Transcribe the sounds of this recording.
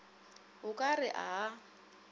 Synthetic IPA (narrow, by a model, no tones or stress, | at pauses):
ɦʊkʼarɪʔa